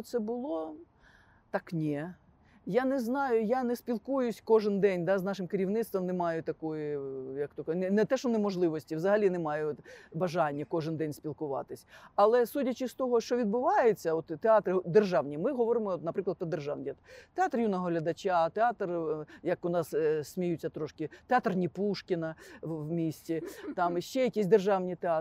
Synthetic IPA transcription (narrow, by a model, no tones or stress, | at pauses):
t̪sɛbʊlˠɔ | t̪ɑknʲi | janɛznɑjʊjanɛspʲilˠkujʊsʲkɔʒɪnd̪ɛnʲd̪ɑznɑʃɪmkeɾʲiwnɪt̪st̪ʋɔmnemɑjʊt̪ɐkɔjʊjɐkt̪ɔknɛnɛt̪ɛʃɔnɛmɔʒlˠɪʋɔsʲtʲiwzɐɦɐlʲinɛmɑjʊbɐʒɑnʲːɐkɔʒɪnd̪ɛnʲsʲpʲilˠkʊʋɑ̰t̪ɪsʲɐlˠɛsudʲɐt͡ʃɪst̪ɔɦɔʃt͡ʃɔʋʲid̪bʊʋɑjɪt͡sʲːɐɔt̪ːeɑt̪ɾɪd̪erʒɑwnʲimɪɦɔʋɔɾɪmɔɔt̪nɐpɾɪklˠɐt̪pɾɔd̪erʒɑ̰wnʲt̪eɑt̪rjunɔɦɔɦlʲɐd̪ɐt͡ʃʲat̪eɑt̪rjɐkʊnɑssʲmʲijut͡sʲːɐt̪ɾɔʃkɪt̪eɑt̪rnʲipuʃkʲɪnɐʋmʲisʲtʲit̪ɑmʃt͡ʃɛjɐkʲisʲd̪erʒɑwnʲit̪eɑ